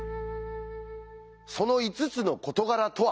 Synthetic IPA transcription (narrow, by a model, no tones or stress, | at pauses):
so̞no̞it͡sɨt͡sɨno̞ko̞t̪o̞ɡaɾat̪o̞a